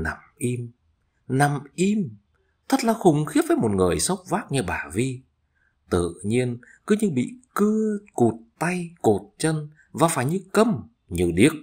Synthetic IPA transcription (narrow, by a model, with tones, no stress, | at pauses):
na̰˨˩mʔi˧m | na˨˩mʔi˧m | t̪ʰə˦˥t̚laː˨˩xʊ˨˩ŋ͡mxi˦˥əvəː˨˦jmo˨˩t̚ŋɨ˨˩əjsə˦˥wk͡p̚vaː˦˥k̚ɲɨ˧ɓaː˧˩vi˧ | t̪ɨ̰˧˨ɲi˧ənkɨ˨˦ɲɨ˧ɓḭ˧˨kɨ˧əku˨˩t̚t̪a˧jko˨˩t̚t͡ɕə˧n | vaː˨˩faː˧˩jɲɨ˧kə˧m | ɲɨ˨˩ɗi˦˥ək̚